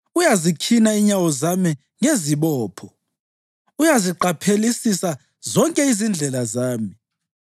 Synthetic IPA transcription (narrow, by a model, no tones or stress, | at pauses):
ujazikʰinaiɲawɔzami | ŋeziβɔːpʰɔ | ujaziǃapʰelisisa | zɔŋkʼɛizind͡ɮʱɛlazaːmi